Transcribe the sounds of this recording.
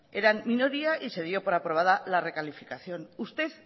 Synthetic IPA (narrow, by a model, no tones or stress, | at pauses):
e̞ɾanmino̞ɾiaʔise̞ðjo̞po̞ɾapɾo̞β̞aðalare̞kalifikaθjo̞nust̪e̞θ